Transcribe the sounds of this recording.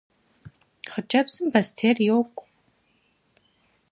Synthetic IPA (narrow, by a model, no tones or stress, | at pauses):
χət͡ʃʼɐbz̥ɨmbɐstʰeːrjokʷʼ